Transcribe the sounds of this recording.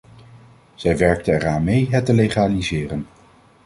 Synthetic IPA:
z̥ɛjʋɛɹk̚təɛɹaːnmejɦɛtəlejχaːlizɪːrən

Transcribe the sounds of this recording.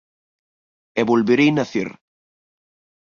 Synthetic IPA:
eβulβeɾejnaθḭɾ

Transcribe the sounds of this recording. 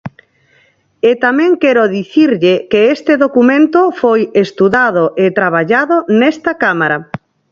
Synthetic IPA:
et̪amɛ̃ŋkɛɾʊðiθiɾʎekeest̪eðokumẽnt̪ofojest̪uðað̞oʔet̪ɾaβ̞aʎaðonɛst̪akamaɾa

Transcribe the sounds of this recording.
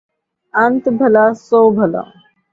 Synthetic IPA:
ə̃nt̪bʱəlaːsoːbʱəla̰ː

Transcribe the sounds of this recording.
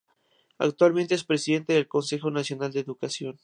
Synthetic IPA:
a̰kt̪walmẽnt̪eespɾe̞siðent̪eðelko̞nse̞xo̞nasjo̞nald̪eːðukasjo̞n

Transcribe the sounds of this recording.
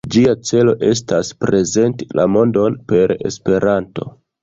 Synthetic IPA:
d͡ʒiat͡se̞lo̞̰ʔe̞s̬taspɾe̞ze̞ntilamo̞ndo̞npe̞ɾe̞̰spe̞ɾanto̞̰

